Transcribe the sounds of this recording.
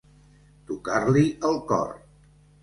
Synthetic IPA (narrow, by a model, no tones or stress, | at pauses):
t̪ukarliʔəlˠkɔ̰r